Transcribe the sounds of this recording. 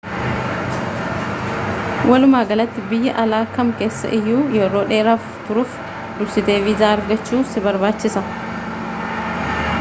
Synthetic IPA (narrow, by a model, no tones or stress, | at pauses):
wʔɐlʊmaːɡɐlɐt̪ːɪbɪjːɐʔɐlaːkɐmke̞ːsːɐ̰ʔɪjːuːjɛɾo̞ːᶑe̞ːɾaːft̪ʊɾʊːf | d̪ʊbsɪt̪e̞ːviːzaːɐɾɡɐt͡ʃːuːsɪbɐɾbaːt͡ʃːɪsɐ